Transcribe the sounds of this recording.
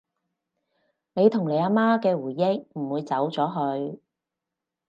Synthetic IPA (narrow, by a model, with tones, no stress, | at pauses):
ne˨˧jt̪ʰʊ˨˩ŋle˨˧jaː˧maː˥kɛː˧wuː˨˩jɪ˥k̚m̩˨˩wuː˨˧jt͡sɐ˨˥wt͡sɔː˨˥ɦɵ˨˧ɥ